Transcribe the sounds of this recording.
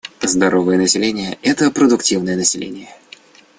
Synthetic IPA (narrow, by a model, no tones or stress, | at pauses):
zd̪ɐɾʔovɨjənəsʲɪlʲenʲɪjəɛt̪əpɾəd̪ʊktʲivnəjənəsʲɪlʲḛnʲɪjə